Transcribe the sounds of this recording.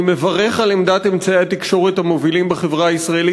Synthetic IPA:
me̞vaʁe̞χalemd̪at̪emt͡saeat̪ikʃo̞ʁet̪hamovilimbeχe̞vʁaaisʁaeli

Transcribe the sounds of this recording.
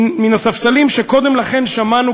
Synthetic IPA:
minasafsalimʃeko̞d̪e̞mlaχe̞nʃamanu

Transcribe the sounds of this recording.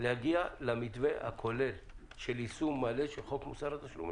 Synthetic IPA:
lehaɡialamit̪veha̰kʰo̞lel | ʃelisumːaleʃelχo̞kmusaʁat̪aʃlṵm

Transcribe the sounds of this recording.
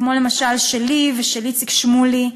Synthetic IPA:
mo̞le̞maʃalʃeliveʃelit͡sikʃmuli

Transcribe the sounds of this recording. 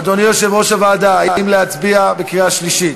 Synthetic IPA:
d̪onijoʃevʁoʃavad̪aajajimleat͡sbiabekʁiaʃliʃit̪

